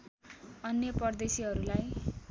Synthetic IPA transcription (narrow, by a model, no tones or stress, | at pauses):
ʌnjʌpʌrd̪esiɦʌɾulaj